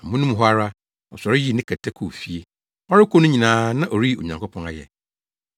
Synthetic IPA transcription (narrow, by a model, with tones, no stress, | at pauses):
a˨mũ˦nũ˦m˨ɦɔ˦a˦ɾa˦ | ɔ̰˨sɔ˨ɾɪ˦ji˦˨nɪ̃˦kʰa˨tʰɛ˦kʰu˨fi˦e˦ | ɔ˦ɾɪ˦kʰʷo˦nʊ̃˦ɲĩ˨nãː˨˦nã˦ʔo˨ɾi˦˨o̰˨ɲã˨ŋkʰɔ˦pʰɔ̃˦na˨jɛ̰˨